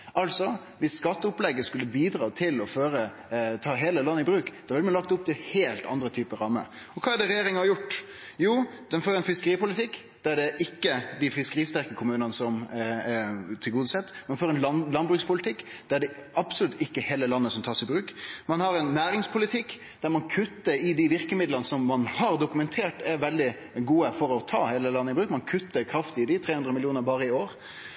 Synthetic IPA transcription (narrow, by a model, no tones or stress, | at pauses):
ʔɑlsɔ | ʋɪsːkɑt̪ːəʊplɛɡːəskʉlːəbiːd̪ɾɑːt̪ʰɪlɔføːɾə | t̪ʰɑːɦeːləlɑnːəɪbɾʉːkd̪̥ɑʋɪlmɛnlɑk̚t̪ʊp̚t̪ɪheːlt̪ɑ̰nd̪ɾət̪ʰyːpəɾɑːmə̰ | ɔkʰɑːæɖɛɾɛjeːɾɪŋəhɑɾjʊʈː | juːd̪̥ɛnfoːɾɛnfɪskəɾiːpʊlɪt̪ʰɪkː | d̪̥æɖɛʔɪkːəd̪ɪfɪskəɾiːst̪æɾkəkʰʊmʉːnənəsɔm | t̪ʰɪlɡuːd̪əsɛt̪ːmɛnfoːɾɛnlɑnlɑnbɾʉːkspʰʊlɪt̪ʰɪkːd̪̥æɖɛɑbsʊlʉt̪ːɪkːəheːləlɑnːəsɔmt̪ʰɑːʂɪbɾʉːkmɑnhɑɾɛnːæːɾɪŋspʰʊlɪt̪ʰɪkː | d̪̥æɾmɑnkʰʉt̪ːəɾɪd̪ɪʋɪɾkəmɪd̪lənəsɔmːɑnhɑɾd̪ʊkʉmɛnt̪ʰeːʈɛɾʋɛld̪ɪ | ɡuːəfɔɾɔt̪ʰɑːheːləlɑnːəɪbɾʉːkmɑnkʰʉt̪ːəɾkʰɾɑft̪ɪd̪ɪt̪ʰɾeːhʉnd̪ɾəmɪlɪuːnəɾbɑːɾəɪoːɾ